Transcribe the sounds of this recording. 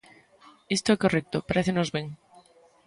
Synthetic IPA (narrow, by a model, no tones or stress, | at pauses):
est̪oekorek̚t̪opaɾeθenozβeŋ